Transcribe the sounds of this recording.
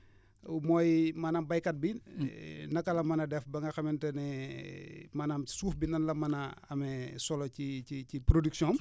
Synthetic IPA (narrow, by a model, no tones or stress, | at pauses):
mɔːjmanaːmbɐjkɐt̚bi | nɐkːɐlɐmɐnɐdɛfbɐŋɡɐxɐmɛntɛnɛ | maːnaːmsuːfbinɐnlɐmɐnɐɐ̰mɛsɔlɔciicipɾodyksjɔːm